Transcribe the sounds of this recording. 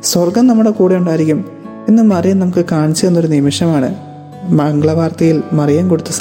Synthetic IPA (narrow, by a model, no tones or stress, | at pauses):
swɐrɡɐmnɐmːuɽe̞kuːɽejuɳɖaːjiɾikʲːum | inːɨmɐrijɐnɐmukːɨkaːɳit͡ɕːenːo̞ɾunimiʂɐmaːɳɨ̰ | mɐŋɡɭɐʋʱaːrt̪ɐjilmɐrijaːmko̞ɽut̪ːus